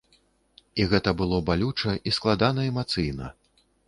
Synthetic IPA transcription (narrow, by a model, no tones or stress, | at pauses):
iɣɛt̪ɐbɨlˠɔbalʲut͡ʂɐʔisklˠad̪anɐɛmat̪sɨjnɐ